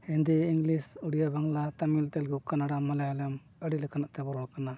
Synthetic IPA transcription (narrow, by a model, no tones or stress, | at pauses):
hɛnd̪ɛiŋlisuɽijabaŋlat̪amilt̪ɛlɡɛkanaɽamːalajalam | əɽiləkanaʔt̪ɛbɔɾɔɽkana